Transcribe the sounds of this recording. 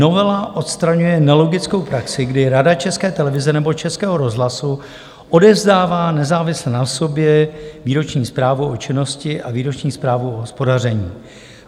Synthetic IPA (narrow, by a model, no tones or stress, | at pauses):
no̞vɛlaʔo̞t̪st̪ɾaɲujɛnɛlo̞ɡɪt͡sko̞wpɾaksɪɡdɪɾadat͡ʃɛskɛːt̪ɛlɛvɪzɛnɛbo̞t͡ʃɛskɛːɦo̞ɾo̞zɦlasu | ʔo̞dɛvzdaːvaːnɛzaːvɪslɛnaso̞bjɛviːɾo̞t͡ʃɲiːspɾaːvuʔot͡ʃɪno̞scɪʔaviːɾo̞t͡ʃɲiːspɾaːvuoɦospo̞darɛɲiː